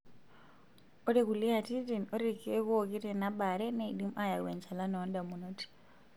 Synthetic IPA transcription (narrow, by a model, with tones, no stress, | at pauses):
o˦ɾe˦ku˨li˦a˨ti˦ti˨no˦ɾeke˦ko˦ki˦ɾe˨na˦ɓa˨ɾe˦ne˦i˨ɗi˦mʔa˦ja˨ɣwe˨nt͡ʃa˨la˦no˦nda˨mu˨no˦ti̥